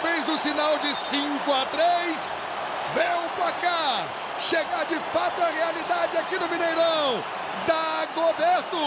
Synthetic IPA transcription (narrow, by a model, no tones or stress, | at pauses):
fezʊsinawd͡ʒɪsĩŋkʊat̪ɾejs | vẽjʊpaka | ʃeɡad͡ʒɪfat̪ʊɐʁealid̪ad͡ʒɪakinʊvĩnejɾɐ̃w̃ | d̪aɡobeɾt̪ʊ